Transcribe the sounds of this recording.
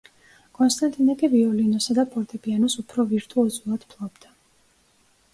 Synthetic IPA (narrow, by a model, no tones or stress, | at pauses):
kʼɔnst̪ʼant̪ʼinakʼiviɔlinɔsad̪apʼɔɾt̪ʼɛbianɔsupʰɾɔviɾt̪ʼuɔzʼulˠad̪̥pʰlˠɔbd̪̥a